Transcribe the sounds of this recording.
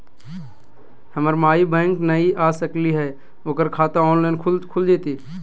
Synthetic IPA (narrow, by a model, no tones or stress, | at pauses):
həməɾmaːibɛ̃ːŋknəiʔaːsəkliɦɛː | oːkəɾkʰaːt̪aɔːnlaːɪnkʰʊlkʰʊld͡ʒeːt̪iː